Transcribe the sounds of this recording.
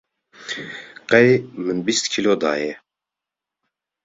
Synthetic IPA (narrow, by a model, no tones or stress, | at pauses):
qɛjmɨnbist̪kʰiloːd̪a̰ːjɛ